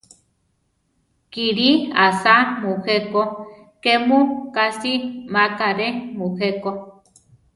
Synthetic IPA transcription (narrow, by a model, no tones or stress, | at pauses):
kiɾiasamũheko | kemukasimakaɾemuheko